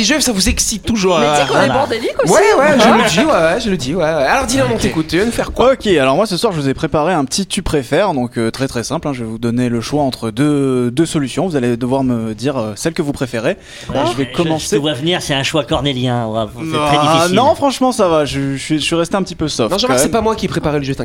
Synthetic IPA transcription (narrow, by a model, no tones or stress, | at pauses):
eʒøvsavuzɛksit̪ːuʒuːʁbɔʁd̪enikwwɛwɛʒələd̪iwɛwɛʒələd̪iwɛwɛalɔʁd̪ileɔ̃d̪ɔ̃t̪ekut̪enufɛʁkwaokʲealɔʁmwasəswaʁʒəvuzɛpχepaʁeɛ̃pət̪ʰit̪ypχefɛʁd̪ɔ̃køt̪χɛt̪χɛsɛ̃plɛ̃ʒəvɛvud̪ɔneləʃwaɑ̃t̪χəd̪ød̪øsɔlysjɔ̃vuzaled̪əvwaʁməd̪iʁøsɛlkəvupχefeʁe | ʒəvɛkɔmɑ̃sewavniʁsɛɛ̃ʃwakɔʁneljɛ̃a̰vaenɔ̃fχɑ̃ʃmɑ̃savaʒəsɥisɥiʁɛst̪eɛ̃pət̪ipøsɔfnɔ̃ʒɛ̃mɛsɛpamwakʲipχepaʁɛləʒøt̪ɛ̃